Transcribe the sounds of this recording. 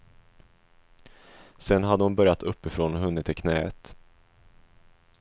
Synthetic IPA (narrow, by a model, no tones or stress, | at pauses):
sɛnːɦad̪ːəhʊnbœɾjat̪ɵpːɪfɾoːnhɵnːət̪ʰːɪlkʰnɛːə̰t̪